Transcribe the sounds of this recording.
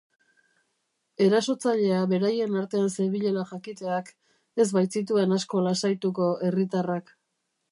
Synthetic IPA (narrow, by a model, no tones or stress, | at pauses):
e̞ɾaso̞t͡saʎe̞aβe̞ɾaje̞naɾt̪e̞anseβiʎe̞laʝakit̪e̞ak | e̞zβajt͡sit̪̬ue̞nasko̞lasajt̪uko̞e̞rit̪arak